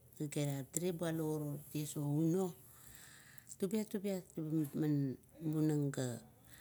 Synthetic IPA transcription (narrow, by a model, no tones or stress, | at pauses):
ɡəɡeɾadiɾebualoɾotiesouno | tubiatubiatmanbunaŋɡa